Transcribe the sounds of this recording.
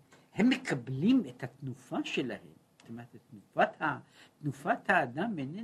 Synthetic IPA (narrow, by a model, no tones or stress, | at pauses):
hemːekʰablimet̪hat̪nufaʃela̰hḛmst̪omaʁet̪t̪nufat̪ha | t̪nufat̪haːd̪amene